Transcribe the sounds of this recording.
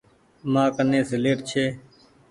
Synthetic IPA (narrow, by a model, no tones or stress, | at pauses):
mãːkənẽːsɪleːʈt͡ʃʰeː